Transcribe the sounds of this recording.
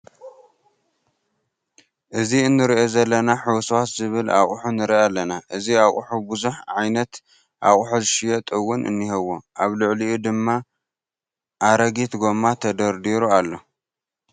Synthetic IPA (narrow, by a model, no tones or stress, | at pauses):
ʔɨziɨnːɨɾiʔo̞zɐlːɐnaħuwswat̪zɨβɨla̰χʼħunɨɾialːɐnaʔɨziaχʼħubɨzuħʕajnɐt̪ | ʔaχʼħuzɨʃijot̪ʼɨwːʊnɨ̰nːihɐwːoʔaβlʊʕliud̪ɨmːa | ʔaɾɐɡit̪ɡo̞mat̪ʰɐd̪ɐɾd̪iɾualːo